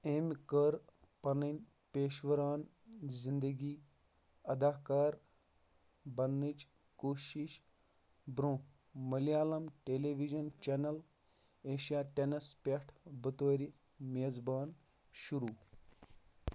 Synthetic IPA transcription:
eːmkəɾ | pɐnɐnʲ | peːʃʋɐɾaːn | zind̪əɡiː | ɐd̪aːkaːɾ | bɐnːit͡ʃ | koːʃiʃ | bɾõː | mɐlijaːlɐmʈeːleʋiʒɐnt͡ʃenɐl | eːʃijaːʈenɐspʲeʈʰbɨt̪oːɾi | meːzbaːn | ʃuɾuː

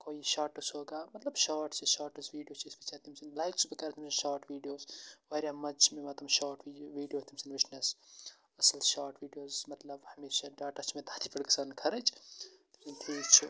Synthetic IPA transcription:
koːiʃaːɾʈɐsɦoːɡaːmɐt̪lɐbʃaːɾʈt͡ʃʰiʃaːɾʈɐsʋiːɖijoːt͡ʃʰisbɐt͡ʃʰaːt̪ʰimsinlaːjksbikɐɾt̪ʰimsinʃaːɾʈʋiːɖijoːzʋɐːɾʲjaːmɐt͡ʃʰmẽmɐt̪ɐmʃaːɾʈiʋiːɖijoːt̪ʰimsinʋɪʃnɐs | ɐsɐlʃaːɾʈʋiːɖijoːzmɐt̪lɐbhɐmeːʃaɖaːʈɐt͡ʃʰmẽt̪ʰaːt̪ʰiːpɐɽɡɐsaːnkʰɐɾɐt͡ʃʰt̪ɐkint̪ʰiːt͡ʃʰu

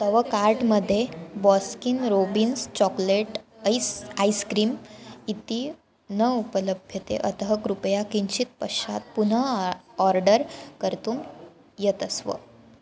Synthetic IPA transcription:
t̪əʋəkaɾʈməd̪ʱːjebɔskinɾobinst͡ɕɔkleʈsajskɾiːmit̪iː | nəupələbʱjət̪ḛʔət̪əɦəkɾupəjakiɲt͡ɕit̪̚pəɕa̰t̪̚pun̤əɔɾɖəɾkəɾt̪uːm | jet̪əsʋə̰

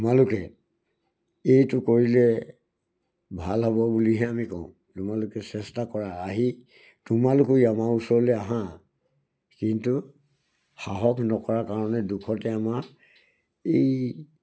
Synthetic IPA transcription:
tumalʊkɛ̰ | ejtʊkoɹilɛ | bʱalɦɔbɔbuliɦɛamikɔ̰̃ʊ̃ | tʊmalʊkɛsɛstakɔɹaaɦi | tʊmalʊkujamausɔɹlɛaɦã | kintu | xaɦɔkʰnɔkɔɹakaɹɔnɛdukʰɔtɛama | ej

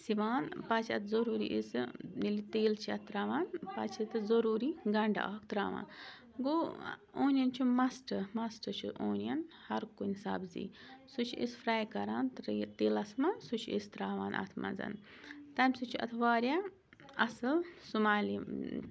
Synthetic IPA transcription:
siʋaːnpɐt͡ʃʰʲɐt̪ʰzɐɾuːɾḭʔisnilit̪eːlt͡ʃʰiɐt̪ɾaːʋaːnpɐt͡ʃʰɐt̪ɨzoɾuːɾiɡɐɳɖa̰a̰ːkʰt̪ɾaːʋa̰ːn | ɡooːnʲjɐnt͡ʃʰumɐsʈɨmɐsʈɨt͡ʃʰuʔoːnjɐn | hɐɾkunʲsɐ̰bzḭːsut͡ʃʰḭsfɾaːjkɐɾaːnt̪ɾt̪eːlɐsmɐsut͡ʃʰḛst̪ɾaːʋaːnʔɐ̰t̪ʰmɐ̰nzɐ̰n | t̪ɐmʲsut͡ʃʰiɐ̰t̪ʰʋaːɾja | ɐsɨlsumaːli

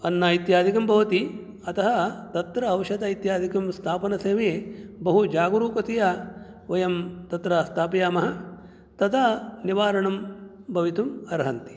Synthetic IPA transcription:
ɐnːaːit̪jaːd̪ʱikɐmbɐʋɐt̪i | ɐt̪ɐɦɐt̪ɐt̪ɾɐːwʃɐd̪ɐit̪jaːd̪ʱikɐmst̪ʰaːpɐnɐseːʋeːbɐɦud͡ʒaːɡuɾuːkɐt̪ijɐ | ʋɐjɐmt̪ɐt̪ɾɐst̪ʰaːpɐjaːmɐɦɐ | t̪ɐt̪ʰɐniʋaːɾɐɳɐmbʱɐʋit̪umɐɾɦɐnt̪i̥

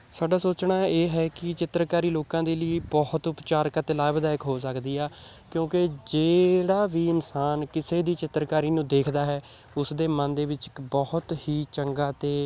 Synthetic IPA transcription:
saːɖaːsoːt͡ʃnaːeːɦɛːkɪt͡ʃɪt̪ɾkaːɾiːloːkãːd̪eːliːbɔht̪ʊpt͡ʃaːɾkət̪elaːbəd̪aːjɪkɦoːs̬əkd̪iːaː | kjõːked͡ʒeːɽaːʋiːɪnsaːnkɪseːd̪iːt͡ʃɪt̪ɾkaːɾiːnũːd̪eːkʰd̪aːɦɛː | ʊsd̪eːmə̃nd̪eːʋɪt͡ʃbɔhʊt̪hiːt͡ʃəŋɡaːt̪eː

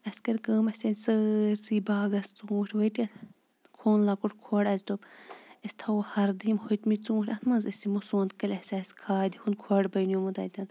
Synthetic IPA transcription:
ɐskɐɾkəːmɐsʲenʲsəːɾsiːbaːɡɐst͡suːʈʰʲʋɐjʈɐ | kʰoːnlaːkuʈkʰoɽɐzt̪obɐsʲt̪ʰɐwhɐɾd̪imhot̪mit͡sũːʈʲɐnmɐnzɐsimosoːnt̪kɐlʲɐsʲaːsʲkʰaːd̪ʲihunkʰoɽbɐjnjomud̪ɐ̰t̪ɐn

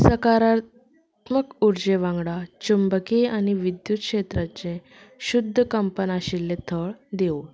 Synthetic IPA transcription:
səkaɾa | t̪məkuɾd͡ʑeʋãŋɡɽat͡ɕumbəkeañiʋid̪jut̪̚kʂet̪ɾat͡ɕẽ | ɕud̪ʱːəkəmpənaɕilːet̪ʰəɭd̪eo

